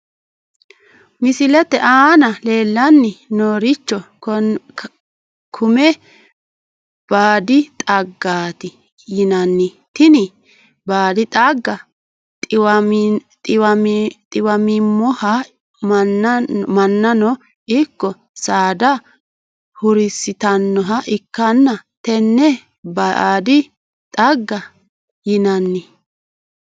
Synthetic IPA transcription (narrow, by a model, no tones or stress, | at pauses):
mɪsɪlɛt̪ːɛʔaːnɐle̞ːlːɐnːɪnoːɾɪt͡ʃːɔ | kʰʊmɛ | b̥aːd̪ɪt̪ʼɐɡːaːt̪ɪ | jɪnɐnːɪ | t̪ɪnɪ | baːd̪ɪt̪ʼɐɡːɐ | tʼɪwɐt̪ʼɪwɐmɪmːɔhɐ | m | mɐnːɐnɔ | ɪkːɔ | saːd̪ɐ | hʊɾɪsɪt̪ɐnːɔɦɐʔɪkːɐnːɐt̪ɛnːɛ | bɐːd̪ɪ | t̪ʼɐɡːɐ | jɪnɐnːɪ